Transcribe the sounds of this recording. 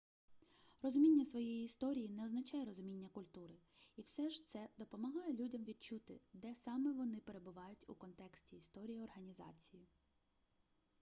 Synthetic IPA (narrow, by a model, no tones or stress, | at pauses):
rɔzʊmʲinʲːɐsʋɔjɛjiːst̪ɔɾʲijinɛɔznɐt͡ʃɑjɛɾɔzʊmʲinʲːɐkʊlʲt̪uɾɪ | iwsɛʒt̪sɛd̪ɔpɔmɐɦɑjɛlʲudʲɐmʋʲid̪̚t͡ʃut̪ɪd̪ɛsɑmɛʋɔnɪpe̞ɾe̞bʊʋɑjʊtʲukɔnt̪ɛksʲtʲiːst̪ɔɾʲijiɔrɦɐnʲizɑ̰t͡sʲiji